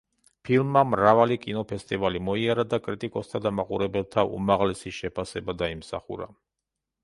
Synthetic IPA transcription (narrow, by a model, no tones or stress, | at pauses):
pʰilˠmːamɾavalikʼinɔpʰɛst̪ʼivalimɔiaɾad̪akʼɾit̪ʼikʼɔst̪ʰad̪amaqʼuɾɛbɛlˠt̪ʰaʔṵmaʁlɛsiʃɛpʰasɛbad̪aimsa̰χṵɾa̰